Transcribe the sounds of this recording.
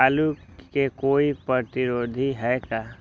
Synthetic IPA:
aːlukekoːipɾət̪ɪɾoːd̪ʱiɦɛkaː

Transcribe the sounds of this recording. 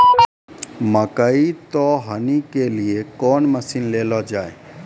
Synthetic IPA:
məkəit̪ɔːɦənikeliekɔːnməsinleːlɔd͡ʒaːeː

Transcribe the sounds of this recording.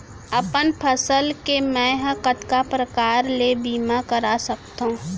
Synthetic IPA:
əpənpʰəsəlkemɛ̃ɦə̃kət̪kapɾəkaːɾlebiːmakəɾasək̚t̪ɦõː

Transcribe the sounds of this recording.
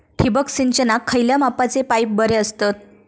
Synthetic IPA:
ʈʰibəksiɲt͡ɕənakʰːəjljamapat͡sepajp̚bəɾeəst̪ət̪̚

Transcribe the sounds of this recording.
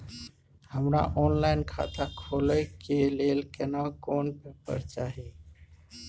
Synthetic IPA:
həmɾa̰ʔɔnlaɪnkʰa̰t̪akʰoləjkelelkənakoːnpepə̰ɾt͡ʃaːɦi

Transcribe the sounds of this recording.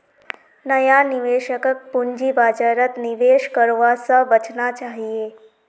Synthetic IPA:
nəjaniʋeʃəkək̚puɲd͡ʒibad͡ʒaɾət̪niʋeʃkəɾʋasaʋət͡ʃnat͡ʃaɦie

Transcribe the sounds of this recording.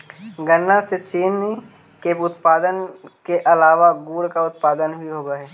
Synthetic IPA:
ɡənːaset͡ʃiːnːĩ | keʊt̪paːd̪ənkeʔɐlaːʋaɡuːɽkaʊt̪paːd̪ənbʱiɦoːɡaɦɛː

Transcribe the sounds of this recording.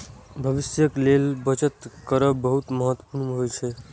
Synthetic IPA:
bʱəʋisjəklelbət͡ʃət̪kəɾəbəɦut̪məɦət̪wpuɾmɦojt͡ʃʰɛ

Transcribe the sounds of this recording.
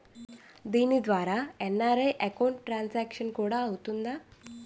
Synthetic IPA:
d̪inid̪ʋaɾaɛnaɾejʔɛkauɳʈʈɾansækɕənkoɽaəwt̪und̪a

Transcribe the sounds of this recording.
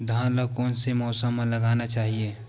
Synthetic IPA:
d̪ʱãːlakɔːnsemɔːsəmːẽləɡaːnat͡ʃaːɦie

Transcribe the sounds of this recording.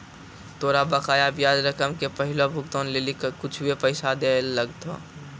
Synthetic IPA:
t̪oːɾabəkaːjabjaːd͡ʒɾəkəmkepəɦɪlobʱʊkt̪õːnleːlikkʊt͡ʃʰwepəɪsad̪elləɡt̪ʰo̰ː

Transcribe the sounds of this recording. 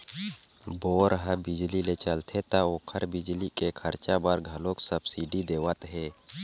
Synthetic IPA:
boːɾɦəbɪd͡ʒlilet͡ʃəlt̪ʰet̪aoːkʰəɾbɪd͡ʒlikekʰəɾt͡ʃabaɾɡʱəlõksəbsiɖid̪eːwət̪ɦeː

